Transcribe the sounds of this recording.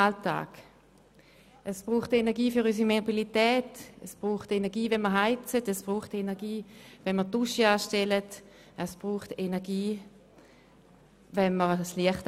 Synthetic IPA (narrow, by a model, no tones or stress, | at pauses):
alta̰ːɡ̥ | ʔəsb̥ʁuːχtenɛɐɡiːfyʁys̬imeobilitɛːtəsb̥ʁuːχtenɛʁɡiːvɛnməɐɦaɪt͡sətəsb̥ʁuːχtenɛɐɡiːvɛnməɐtuʃiaːʃtelət | əsb̥ʁuːχtenɛɐɡiː | vɛnməʁsliəχt